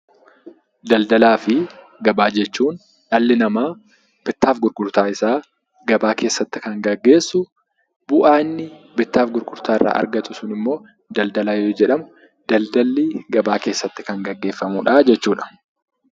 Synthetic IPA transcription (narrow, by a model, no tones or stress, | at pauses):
d̪ɐld̪ɐlaːfɪ | ɡɐbaːd͡ʒɛt͡ʃːuːn | ᶑɐlːɪnɐmaː | b̥ɪt̪ːaːfɡʊɾɡʊɾt̪aːɪsaː | ɡɐbaːke̞ːsːɐt̪ːɪ̥kɐŋɡɐɡːe̞ːsːʊ | bʊʔaːnːɪbɪt̪ːaːfɡʊɾɡʊɾt̪aːɪrːa̰ːɐ̰ɾɡɐt̪ʊsʊnɪmːo̞ː | d̪ɐld̪ɐlaːjoːd͡ʒɛᶑɐmʊ | d̪̥ɐld̪ɐlːiːɡɐbaːke̞ːsːɐt̪ːɪ̥kɐŋɡɐɡːe̞ːfːɐmuːᶑɐd͡ʒɛt͡ʃːuːᶑɐ̥